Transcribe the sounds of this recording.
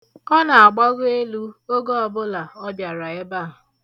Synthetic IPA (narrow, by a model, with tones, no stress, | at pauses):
ɔ˦na˨a˨ɡ͡ba˦ɣʊ˦e˦lu˦o˦ɡo˦ɔ˨bʊ˦la˨ɔ˦bja˨ɾa˨e˦ba˦˨ɦʊ˨